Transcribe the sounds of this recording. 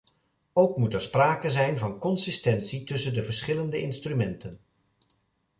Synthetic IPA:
owkmutɛɹspraːkəzɛjnvɑnkɔnsɪstɛntsitɵsəndəvəɹsχɪləndəʔɪnstrymɛntən

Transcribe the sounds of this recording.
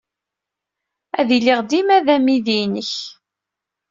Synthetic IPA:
æðilːiʁd̪imæðæmiðinəç

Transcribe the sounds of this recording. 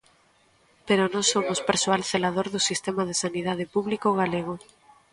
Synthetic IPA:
peɾonõsomʊspeɾsoalθelaðoɾðʊsist̪emað̞esaniðað̞epuβlikoɣaleɣ̞o

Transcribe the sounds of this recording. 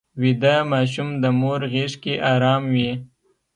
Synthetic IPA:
wid̪amɑʃ̬umd̪əmoɾɣeʂkeʔɑɾɑːmwi

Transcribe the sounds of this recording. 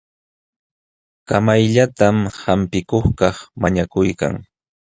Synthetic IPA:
kamajʎat̪amhampɪkoχkɑχmaɲakʊjka̰ŋ

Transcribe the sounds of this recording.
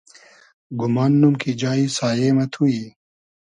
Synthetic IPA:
ɡumaːnːumkid͡ʒaːisaːjeːmɐt̪ʰui

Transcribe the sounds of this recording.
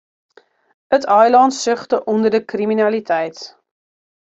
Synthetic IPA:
ətʰœjlɑntsɵχtəʔɔndərdəkriminɐlitʰɛjt

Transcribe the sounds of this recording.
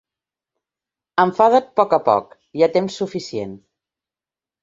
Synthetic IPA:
əɱfaðət̪̚pɔkəpɔ̰k | iat̪emsːufisjḛn

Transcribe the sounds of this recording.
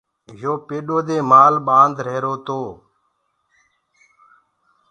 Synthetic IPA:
joːpeːɗoːd̪eːmaːlɓaːnd̪ɾeːɾoːt̪oː

